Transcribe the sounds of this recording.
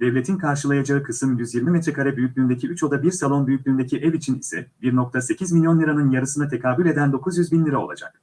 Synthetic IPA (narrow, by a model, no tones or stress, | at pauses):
d̪ɛvlʲe̞t̪ʰinkʰaɾʃɯlˠajad͡ʒaɯkʰɯsɯmjyzjiɾmimet̪ɾɛkʰaɾɛbyjycʲlʲyːnd̪e̞cʰiyt͡ʃo̞d̪abiɾsalˠo̞nbyjyc̚lʲyːnd̪ecʰiʔɛvit͡ʃʰinisɛ̰biɾnok̚t̪ʰase̞cʰizmʲilʲjo̞nlʲiɾanɯnjaɾɯsɯnat̪ʰe̞kʰaːbulʲe̞d̪ænd̪o̞kʰuzjyzbinlʲiɾaolˠa̰d͡ʒa̰k̚